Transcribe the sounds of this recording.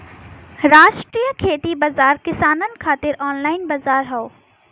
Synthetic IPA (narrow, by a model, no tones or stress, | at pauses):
ɾaːʃʈɾijəkʰeːt̪ibɐzaːɾkɪsaːnənɪ̆kʰaːt̪ɪɾɔːnlaːɪnbɐzaːɾɦɐoː